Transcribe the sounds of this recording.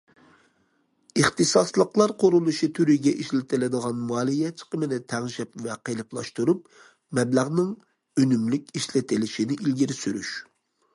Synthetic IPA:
ɨχt̪ɨsɑslˠəqlˠɑɾqʰʊɾulˠuʃit̪ʰyɾiɡʲɛʔiʃlɪt̪ʰɪlɪd̪əʁɑnmuɑːlˠijɛt͡ʃʰə̥qəmɨnɨt̪ʰæʁʒɛpvɛqʰelɪplˠɑʃt̪uɾup | mɛblæʁnɨŋ | ønymlykʲiʃlɪt̪ʰɪlɪʃinɪʔilɡʲiɾɪsyɾyʃ

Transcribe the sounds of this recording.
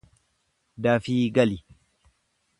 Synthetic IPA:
d̪aːfiːɡɐli

